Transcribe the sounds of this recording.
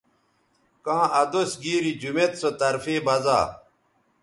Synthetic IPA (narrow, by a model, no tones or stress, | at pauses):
kãːʔɐd̪osɡiːɾid͡ʑumet̪sot̪ɐɾfeːbɐza̰ː